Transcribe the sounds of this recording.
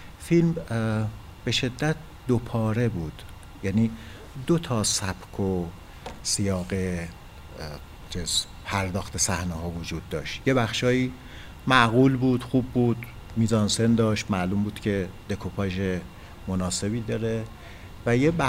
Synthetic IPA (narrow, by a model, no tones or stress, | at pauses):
film | b̥e̞ʃe̞d̪ːæt̪̚ʰ | d̪opʰɒːɾe̞buːd̪̥ | jæniː | d̪ot̪ʰɒːsæb̥kʰo | sijɒːɣe̞ | t͡ʃʰez | pʰæɾd̪ɒːxt̪ʰe̞sæhneɦɒːvod͡ʒuːd̪ːɒːʃt̪je̞bæxʃɒːjiː | mæʔɣuːlbuːd̪̥xuːbːuːd̪̥ | miːzɒːnse̞nd̪ɒːʃt̪mælumbuːd̪̥cʰe̞d̪e̞kʰopʰɒːʒe̞ | monɒːse̞biːd̪ɒːɾe | væjebæ